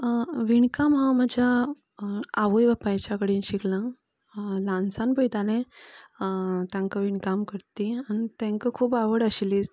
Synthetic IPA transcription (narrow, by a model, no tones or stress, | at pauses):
ʋiɳkamɦãməd͡ʑa | aʋojʋapajt͡ɕakəɽiːnɕiklã | lãnsãnbəjt̪alẽ | t̪jãŋkəʋiɳkamkəɾt̪ianit̪ɛ̃ŋkəkʰuːbaʋəɽəɕili